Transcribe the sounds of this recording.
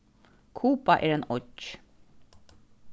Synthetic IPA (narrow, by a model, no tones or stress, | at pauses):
kʰuːpaʔæːɾeːnɔc